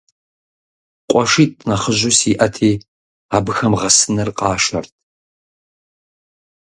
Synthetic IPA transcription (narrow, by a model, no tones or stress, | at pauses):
qʷʼɔʂiːtʼnɐχəʒʊsiʔɐtʰiː | aːbɨxɐmʁɐsɨnɐrqʼɑːʃɐ̰rtʰ